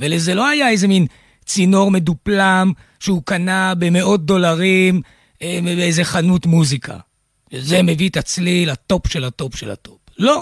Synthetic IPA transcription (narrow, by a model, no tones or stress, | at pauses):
veleze̞lo̞ajaejze̞min | t͡sino̞ʁme̞duplam | ʃeukanabe̞me̞o̞t̚d̪o̞laʁim | ebeejze̞χanutmuzikʰa̰ | ze̞me̞vit̪at͡slilato̞pʃe̞lato̞pʃḛla̰to̞plo̞